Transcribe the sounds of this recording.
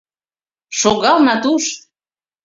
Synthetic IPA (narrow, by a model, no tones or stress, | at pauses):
ʃoɣɑlˠnɑt̪uʃ